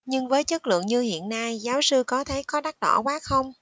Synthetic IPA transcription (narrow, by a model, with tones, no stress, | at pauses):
ɲɨ˧ŋvəː˨˦jt͡ɕə˦˥t̚lɨ̰˧˨əŋɲɨ˧hḭ˧˨ənːa˧jzaː˨˦wsɨ˧kɔ˨˦t̪ʰə˨˩˦kɔ˨˦ɗa˦˥t̚ɗɔ̰˧˩kwaː˦˥xə˧wŋ͡m